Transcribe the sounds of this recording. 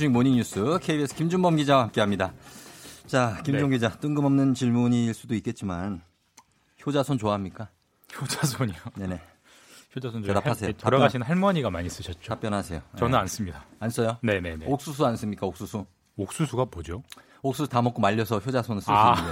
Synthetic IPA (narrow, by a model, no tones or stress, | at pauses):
uɲimoɲiŋɲus͈ʰɯkʰeibiesʰʌkimd͡ʑuŋbʌmɡid͡ʑaamk͈eɦamɲida | t͡ɕakimd͡ʑuŋɡid͡ʑat͈ɯŋɡɯmʌmnɯnt͡ɕiɭmuɲiːɭs͈udoik͈̚e̞t̚t͡ɕ͈iman | çjod͡ʑasʰont͡ɕoaɦamɲik͈a | çod͡ʑasʰoɲone̞ne̞ | çjod͡ʑasʰonedapʰasʰeotaɾʌɡaɕʰinhaɭmaɲiɡamaɲis͈ɯɕʰʌt̚t͡ɕ͈otap͈jʌnɦasʰe̞jot͡ɕʌnɯnans͈ɯmɲidaans͈ʌjone̞ne̞neok̚s͈us̬ʰuans͈ɯmɲik͈aok̚s͈usʰu | ok̚s͈usʰuɡapod͡ʑo | ok̚s͈usʰu̥tamʌk͈omaʎːʌsʰʌçjod͡ʑasʰonɯsɯai